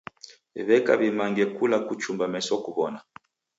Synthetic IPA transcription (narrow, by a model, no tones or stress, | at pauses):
βɛka̰βimaŋɡɛkulakut͡ʃumbamɛsɔkuβɔna